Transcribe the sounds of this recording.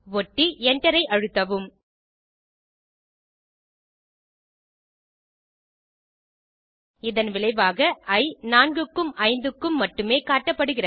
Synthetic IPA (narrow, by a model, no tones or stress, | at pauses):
ʋɔʈːiɛɳɖɐɾɐɪʔɐɻɯt̪ːɐʋɯm | ɪðɐnʋɪɭɐɪʋaːɣɐɐɪnaːnɡɯkːɯmɐɪnd̪ɯkːɯmːɐʈːɯmeːkaːʈːɐpːɐɽɯɣɪrɐ